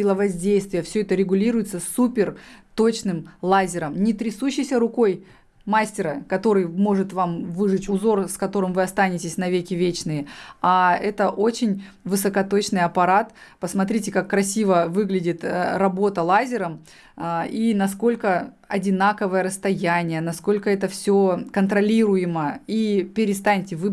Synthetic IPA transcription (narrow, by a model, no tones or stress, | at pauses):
ɪlˠəvɐzʲdʲejst̪vʲɪjəfsʲɵɛt̪əɾʲɪɡʊlʲiɾʊjɪt̪səsːupʲɪrt̪o̞t͡ɕnɨmlˠazʲɪɾəmnʲɪt̪ɾʲɪsuɕːɪjsʲəɾʊko̞j | masʲtʲɪɾəkɐt̪o̞ɾɨjmo̞ʐɨt̪vamvɨʐɨtʲʊzo̞rskɐt̪o̞ɾɨmvɨɐst̪anʲɪtʲɪsʲnɐvʲekʲɪvʲet͡ɕnɨjɪaɛt̪əʔo̞t͡ɕɪnʲ | vɨsəkɐt̪o̞t͡ɕnɨjɐpɐɾat̪pəsmɐt̪ɾʲitʲɪkakːɾɐsʲivəvɨɡlʲɪdʲɪt̪rɐbo̞t̪əlˠazʲɪɾəm | inɐsko̞lʲkə | ɐdʲɪnakəvəjəɾəst̪ɐjænʲɪjənɐsko̞lʲkəɛt̪əfsʲokənt̪ɾɐlʲiɾʊjɪməipʲɪɾʲɪst̪anʲtʲɪvɨ